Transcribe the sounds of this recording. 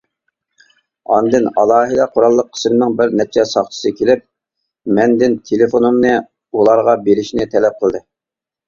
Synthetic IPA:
ɑ̰nd̪ɨnɑ̰lˠɑːɦɨd̪ɛqʰʊɾɑlˠːəqʰːə̥smɪnɪŋbɪɾnɛt͡ʃʰɛsɑχt͡ʃ̪ʰə̥sɨkʲʰelɪp̚ | mɛnd̪ɪnt̪ʰelɪfonumnɨ | ulˠɑɾʁɑbeɾɪʃnɪt̪ʰɛlɛp̚qʰəlˠd̪ɨ

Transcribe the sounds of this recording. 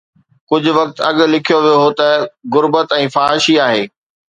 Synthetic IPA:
kʊd͡ʑʱʊ̆ʋɐkt̪ɐ̰ɠ̆lɪkʰijoʋijoɦot̪ɐɣʊɾbət̪ɛ̃ːfaːɦɪʃiaːɦeː

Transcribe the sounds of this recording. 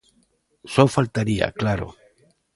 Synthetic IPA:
sofalt̪aɾia̰klaɾo̰

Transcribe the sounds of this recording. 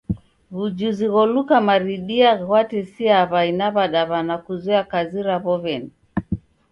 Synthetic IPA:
βud͡ʒuziɣɔlukamaɾiɗiaɣɣwatɛsiaβainaβaɗaβanakuzɛakaziɾaβɔβɛni

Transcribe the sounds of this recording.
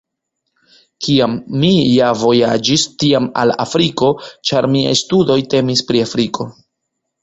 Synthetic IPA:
kiamːijavo̞jad͡ʒistiama̰la̰fɾiko̞t͡ʃaɾmia̰jstudo̞jte̞mispɾiafɾikʰo̞

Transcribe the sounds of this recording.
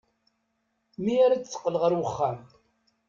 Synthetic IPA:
miaɾat͡sːə̥qːləʁəɾwəχːam

